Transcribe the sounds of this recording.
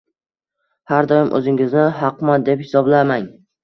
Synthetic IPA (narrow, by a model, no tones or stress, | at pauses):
haɾd̪ɒjɪmʔɵ̰zɪŋɪznɪɦɑqmand̪e̞phɪ̥sɒblamaŋ